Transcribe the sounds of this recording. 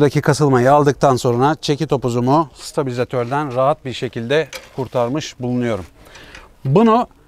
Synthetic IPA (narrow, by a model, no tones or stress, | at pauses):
d̪acʰikʰasɯlˠmajɯalˠd̪ɯk̚t̪ʰanso̞nɾat͡ʃʰe̞cit̪ʰo̞puzumust̪ʰabilʲizat̪ʰøɾd̪ænɾaɦat̪̚biɾʃe̞cʰilʲd̪ɛkʰuɾt̪ʰaɾmɯʃbulˠunujo̞ɾum | bunu